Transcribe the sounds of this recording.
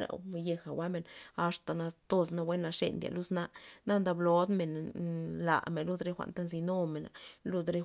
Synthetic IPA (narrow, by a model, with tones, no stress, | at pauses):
ɾa̰˨je˧xa˨wa˦me˨na˨ʂt̪a˨na˧t̪o˧s̬na˧we˦na˧ʂḛ˧nd̪ja̰˨lu˦sna˧na˦nd̪a˧blo˨d̪me˨nla̰˨ʔme˨nlu˦d̪ɾe˦xʷa̰˨nt̪a˦nsi˧no˦me˨na̰˨lu˧d̪ɾe˦